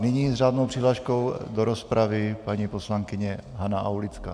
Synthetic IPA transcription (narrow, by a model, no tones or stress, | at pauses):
nɪɲiːzʒaːd̪nowpr̥iɦlaʃkowd̪oɾospɾavɪpaɲiposlaŋkɪɲɛɦanaʔawlɪt͡ska̰ː